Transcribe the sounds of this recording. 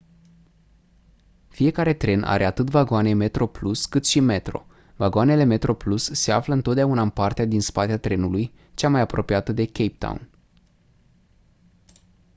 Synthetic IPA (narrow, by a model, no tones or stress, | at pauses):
fije̞kaɾe̞t̪ɾe̞nʔa̰ɾeat̪ɨt̪vaɡoane̞me̞t̪ɾo̞pluskɨt̪ʃime̞t̪ɾo̞̰ | vaɡoane̞le̞me̞t̪ɾo̞plusːe̞a̰fləɨnt̪ot̪d̪ʲaunaɨnpart̪ead̪inspat̪eat̪ɾe̞nuluj | t͡ʃamajapɾo̞pijat̪əd̪e̞kʲejp̚t̪a̰w̰n